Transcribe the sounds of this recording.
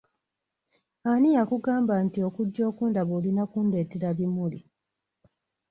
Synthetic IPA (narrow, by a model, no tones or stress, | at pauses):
anijakuɡaːmbantio̞kuɟːo̞ːkuːndaβoːlinakunde̞ːteɾaβimuli